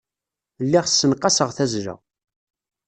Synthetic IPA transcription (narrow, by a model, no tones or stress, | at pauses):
lːiʁsːənqːɑsəʁθæzɾə̰